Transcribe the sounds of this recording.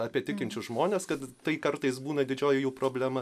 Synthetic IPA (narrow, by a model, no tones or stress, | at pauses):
ɐpʲiɛt̪ʲɪkʲɪnʲt͡ʃʲʊʒmoːnʲeːskɐt̪t̪ɐɪkɐɾt̪ɐɪsbuːnɐd̪ʲɪd͡ʒʲoːjɪjuːpɾoːbʲlʲæmɐ